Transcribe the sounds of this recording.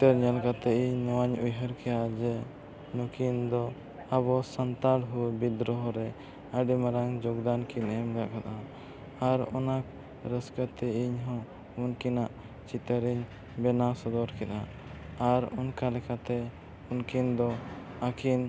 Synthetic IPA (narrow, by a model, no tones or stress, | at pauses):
it̪əɾɲalkat̪ɛʔiɲnɔwaɲujɦəɾkʰɛjad͡ʒɛ | nukind̪ɔ | aβɔsant̪alɦubid̪ɾɔɦɔɾɛ | əɖimaɾaŋd͡ʒɔɡd̪ankinɛmɡaʔkat̪a | aɾɔ̰nak | ɾəskət̪ɛiɲɦɔ̃ | unkinaʔ | t͡ʃit̪əɾiɲ | bɛnasɔd̪ɔɾkɛt̪aː | ɾunkalɛkat̪ɛ | unkind̪ɔ | akin